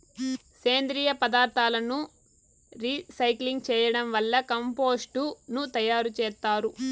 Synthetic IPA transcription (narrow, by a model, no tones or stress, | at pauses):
seːnd̪ɾiːjɐpɐd̪aːɾt̪ʰaːlɐnu | ɾisɐjkliŋɡ̚t͡ʃɛːjɐɽɐmʋɐlːɐkɐmpo̞ːsʈunut̪ɐjaːɾut͡ʃɛːst̪aːɾu